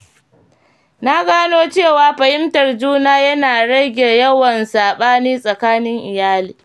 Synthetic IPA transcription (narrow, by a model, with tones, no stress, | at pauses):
na˦ɡaː˦noː˦t͡ʃeː˦˨waː˨˦ɸɐ˨hɪ˦mtɐ˨rd͡ʒuː˦naː˦jɐ˦naː˨ɽɐ˦ɡʲeː˨jɐ˦wɐ˨nsaː˨ɓaː˦niː˦sʼɐ˨kaː˦nɪ˦ŋʔɪ˨jaː˦liː˨